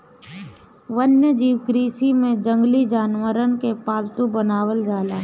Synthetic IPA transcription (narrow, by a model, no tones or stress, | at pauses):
ʋənjəd͡ʒiːwkɾiːsimẽd͡ʒə̃ŋɡlid͡ʒaːnʋəɾənkepaːlt̪ũbənaːwəld͡ʒaːlaː